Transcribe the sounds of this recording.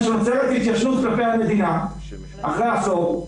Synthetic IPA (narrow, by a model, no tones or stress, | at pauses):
ʃot͡seʁet̪hit̪jaʃnut̪̚klapejhame̞d̪ina | aχʁeasov